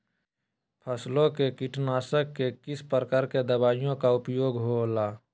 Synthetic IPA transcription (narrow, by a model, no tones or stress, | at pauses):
pʰəslõkekɪʈʰnaːsəkːekɪspəɾəkaːɾked̪əbaːjijõkaʊpjoːɡɦolaː